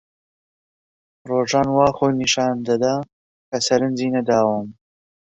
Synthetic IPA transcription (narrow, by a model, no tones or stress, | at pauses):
roːʒaːnwaːxoːjniʃaːnd̪ɐd̪a | kɐsɐɾɨnziːnɐd̪aːwɐm